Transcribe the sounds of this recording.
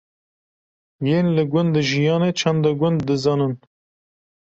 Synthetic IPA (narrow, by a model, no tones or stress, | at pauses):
jeːnlɨɡʷʊnd̪d̪ɨʒijɑːnet͡ʃʰɛnd̪ɑɡʷʊnd̪ːɨzɑːnɨn